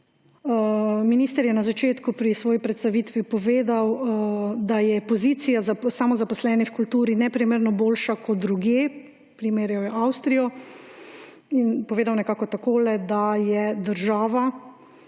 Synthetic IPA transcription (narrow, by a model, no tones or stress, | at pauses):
miniːst̪əɾjɛnazat͡ʃeːt̪kupɾisʋɔːjipɾɛt̪st̪aʋiːt̪ʋipɔʋeːd̪aw | d̪ajɛpɔziːt̪sijazsamɔzapɔslɛːnifkult̪uːɾinɛpɾimeːɾnɔboːlʃakɔt̪̚d̪ɾuɡjeː | pɾimeːɾjɔjɔʔawst̪ɾijɔ | inpɔʋeːd̪awnɛkaːkɔt̪akoːlɛd̪ajɛd̪əɾʒaːʋa